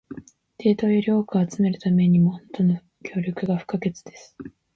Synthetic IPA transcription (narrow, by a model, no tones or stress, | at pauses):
t̪ʰe̞ːt̪o̞ːjoɾʲioːkɯoat͡sɨme̞ɾɯ̟t̪ame̞ɲ̟imoõnt̪ono | kʲo̞ːɾʲo̞kɯ̟ɡaɸɯ̟̥kaɡe̞t͡sɨd̪e̞sɨ̥